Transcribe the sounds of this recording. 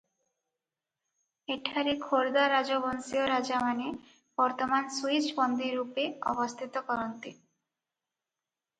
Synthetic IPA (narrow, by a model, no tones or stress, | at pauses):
eʈʰaɾekʰoɾd̪aɾad͡ʒobɔnsioɾad͡ʒamane | b̥ɔɾt̪omansuit͡ɕbɔnd̪iɾupeɔ̰bost̪ʰit̪okɔɾont̪i